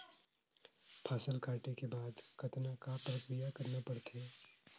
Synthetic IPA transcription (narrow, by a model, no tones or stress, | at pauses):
pʰaːsəlkaːʈekebaːd̪kɐt̪nakapɾəkɾijakɐɾnapɐɽt̪ʰeː